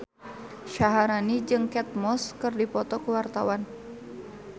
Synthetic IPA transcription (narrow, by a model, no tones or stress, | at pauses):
ʃaɦaɾanid͡ʒɨŋkɛt̪̚mɔskɨrdipɔt̪ɔkuwart̪awan